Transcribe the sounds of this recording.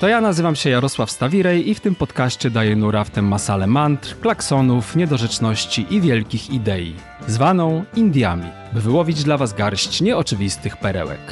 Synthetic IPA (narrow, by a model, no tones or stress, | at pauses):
t̪ɔjanazɘvamɕɛjaɾɔswafst̪avʲiɾɛjift̪ɘmpɔt̪kaɕt͡ɕɛd̪ajɛnuɾaft̪ɛmːasalɛmant̪ɾklaksɔnufɲɛd̪ɔʐɛt͡ʂnɔɕt͡ɕiʔivʲjɛlkʲixid̪ɛjḭ | zvanɔ̃w̃ind̪ʲjamʲḭ | bɘvɘwɔvʲid͡ʑd̪lavazɡaɾɕt͡ɕɲɛɔt͡ʂɘvʲist̪ɘxpɛɾɛ̰wɛ̰k